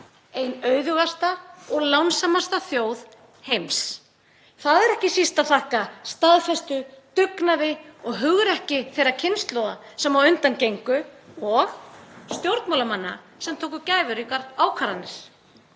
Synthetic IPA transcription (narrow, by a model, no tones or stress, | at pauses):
ejnœːɥðʏɣast̪aɔɣlawnsamast̪aθjoːwð | hejms | θaðɛɾɛhcɪsist̪aθahkast̪aðfɛst̪ʏt̪ʏknaðɪɔɣɦʏɣʏɾɛhcɪθejɾacʰɪnst̪lowðasɛmvawʏnt̪ancejŋkʏɔɣst̪jowɾt̪mawlamanːa̰ | sɛmt̪ʰoːwkʏcaːjvʏɾikaɾaːwkʰaɾanːɪɾ̥